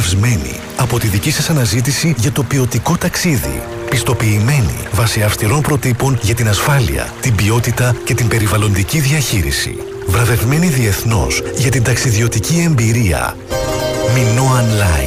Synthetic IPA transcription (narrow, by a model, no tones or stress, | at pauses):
vzme̞nḭ | ɐpo̞t̪iðicisɐsɐnɐzit̪̬isiʝɐt̪o̞pio̞t̪iko̞t̪ɐksiðḭ | pist̪o̞piːme̞nḭvɐsiɐfst̪iɾo̞npɾo̞t̪ipo̞nʝɐt̪inɐsfɐlḭɐ̰t̪imbio̞t̪it̪ɐce̞t̪imbe̞ɾivɐlo̞nd̪iciðiɐçiɾḭsḭ | vɾɐve̞vme̞niðie̞θno̞̰sʝɐt̪ind̪ɐksiðio̞t̪icie̞mbiɾiɐ̰ | mino̞ɐnlɐ̰